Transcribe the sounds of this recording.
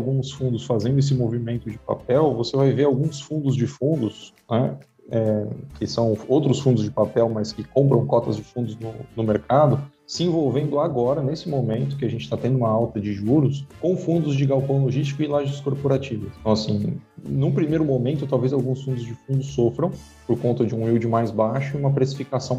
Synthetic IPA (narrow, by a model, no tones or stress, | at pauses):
awɡũsfũnd̪ʊsfazẽnd̪ʊes̬ɪmovimẽnt̪ʊd͡ʒɪpa̰pɛwvosevajveɾawɡũsfũnd̪ʊzd͡ʒɪfũnd̪ʊsnɛ | ɛkɪsɐ̃w̃owt̪ɾʊsfũnd̪ʊzd͡ʒɪpapɛwmɐskɪkõmpɾɐ̃w̃kɔt̪ɐzd͡ʒɪfũnd̪ʊznʊnʊmeɾkad̪ʊ | sɪẽvowvẽnd̪ʊaɡɔɾɐnesɪmomẽnt̪ʊ̥kɪaʒẽnt͡ʃɪ̥t̪at̪ẽnd̪ʊũmɐawt̪ɐd͡ʒɪʒuɾʊskõfũnd̪ʊzd͡ʒɪɡawpɐ̃w̃loʒist͡ʃikʊɪlaʒɪskoɾpoɾat͡ʃivɐɐ̃w̃asĩnʊ̃pɾimejɾʊmõmẽnt̪ʊt̪awvezawɡũsfũnd̪ʊzd͡ʒɪfũnd̪ʊsːofɾɐ̃w̃ | poɾkõnt̪ɐd͡ʒɪũiwd͡ʒɪmajzbaʃʊiũmɐpɾesi̥fikasɐ̃w̃